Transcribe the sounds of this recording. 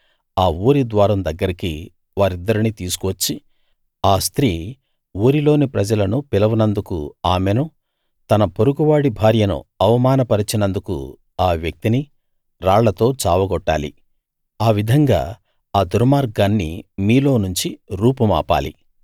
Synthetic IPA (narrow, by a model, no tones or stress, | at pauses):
aːuːɾid̪ʋaːɾɐmd̪ɐɡːɐɾiki | ʋaːɾid̪ːɐɾinit̪iːsu̥kʋɐt͡ʃːi | aːst̪ɾiː | uːɾilo̞ːnipɾɐd͡ʒɐlɐnupilɐʋɐnɐnd̪ukṵaːmenu | t̪ɐnɐpoɾuɡuʋaːɽibʱaːɾjɐnṵɐʋɐmaːnɐpɐɾit͡ʃinɐnd̪ukṵ | aːʋjɐk̚t̪ini | ɾaːɭːɐt̪o̞ːt͡ʃaːʋɐɡɔʈːaːlḭ | aːʋid̪ʱɐŋɡa̰ː | aːd̪uɾmaːɾɡanːḭmiːlo̞ːnuɲt͡ʃiɾuːpɐma̰ːpa̰ːlḭ